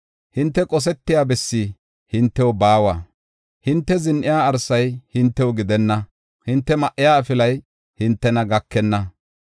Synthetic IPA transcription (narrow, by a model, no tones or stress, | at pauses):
hɪnt̪ːɛkʼɔs̬ɛt̪ːɪjaːbɛsːi | hɪnt̪ːɛwɔbaːwaː | hɪnt̪ːɛzɪnʔɪjaːɐɾsːɐjhɪnt̪ːɛwɔɡɪd̪ɛnːɐ | hɪnt̪ːɛmɐʔːɪjaːfɪlɐj | hɪnt̪ːɛnɐɡɐkʰːɛnːɐ